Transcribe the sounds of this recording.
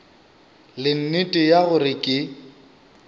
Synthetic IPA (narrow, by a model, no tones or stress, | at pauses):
lɪn̩nitʼɪjaɣʊrɪkʼɪ